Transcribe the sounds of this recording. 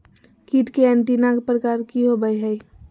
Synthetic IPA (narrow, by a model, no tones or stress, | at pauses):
kiʈ̪keɛ̃nt̪inãːɡpɾəkaːɾkiɦobəiɦɛi